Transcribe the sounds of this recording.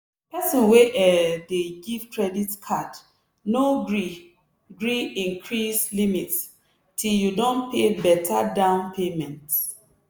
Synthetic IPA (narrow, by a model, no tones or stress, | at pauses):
pɛsɔ̃nweʔɛdeɡiv̥kʰɹɛditkʰad | noɡɹi | ɡɹiĩŋkʰɹislimits | tʰiljudõnpebɛtʰadãʊ̃npʰemɛ̃nt